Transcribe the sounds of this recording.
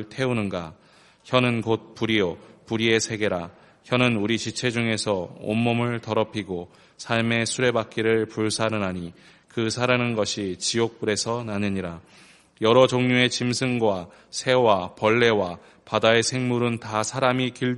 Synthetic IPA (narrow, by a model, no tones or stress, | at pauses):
tʰe̞unɯnɡa | çjʌnɯnkot̚puɾiopuɾie̞sʰe̞ɡe̞ɾa | çjʌnɯnuɾit͡ɕit͡ɕʰe̞d͡ʑuŋe̞sʰʌo̰mːomɯɭtʌɾʌpʰiɡo | sʰaɭme̞sʰuɾe̞bak͈iɾɯɭpuɭsʰaɾɯnaɲi | kɯsʰaɾanɯnɡʌɕʰit͡ɕiok̚p͈uɾe̞sʰʌnanɯɲiɾa | jʌɾʌd͡ʑoŋɲue̞t͡ɕimsʰɯŋɡwa | sʰe̞wapʌɭːe̞wa | padae̞sʰe̞ŋmuɾɯntasʰaɾamikiɭ